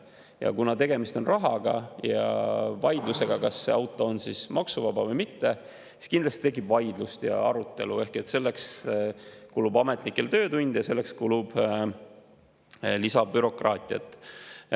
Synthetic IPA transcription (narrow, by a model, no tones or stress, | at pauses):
jɑ̰kunɑt̪e̞ɡe̞mist̪o̞nrɑɦɑɡ̥ɑ̰jɑ̰vɑjd̪luse̞ɡɑkɑsːe̞̰ɑwt̪ːˑo̞ːnsismɑksuvɑbɑvɤjmit̪ːe̞ | si̥skind̪lɑst̪i̥t̪e̞k̬ːˑib̥vɑjd̪lust̪jɑ̰ɑɾut̪ːˑe̞̰lue̞hke̞t̪ːse̞lːe̞ks | kulubɑme̞t̪ˑnikːˑe̞lt̪ø̞ːt̪unʲd̪jɑse̞lːe̞kskulub̥ | lisɑbyɾo̞krɑːt̪ʲˑiɑ̰t̪ːˑ